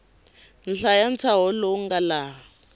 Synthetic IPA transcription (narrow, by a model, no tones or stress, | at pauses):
n̩ɬajant͡sʰaɦɔlɔŋɡala